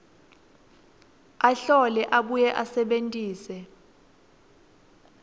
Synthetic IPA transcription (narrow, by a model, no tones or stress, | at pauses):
aɬɔlɛʔaɓujɛʔasɛɓentʼiːsɛ